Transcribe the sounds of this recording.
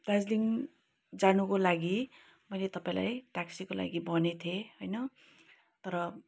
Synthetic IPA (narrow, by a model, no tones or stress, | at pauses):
d̪ad͡zliŋ | d͡zanukolaɡi | mʌjlet̪ʌpaĩla̰jʈaksikola̰ɡibʌnet̪ʰjehʌjnʌ | t̪ʌɾʌ